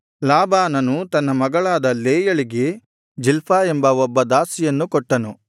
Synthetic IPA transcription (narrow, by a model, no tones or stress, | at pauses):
laːbaːnɐnut̪ɐnːɐmɐɡɐɭaːd̪ɐleːjɐɭiɡe̞ | d͡ʒilpʰaːe̞mbɐɔbːɐd̪aːsijɐnːukɔʈːɐnu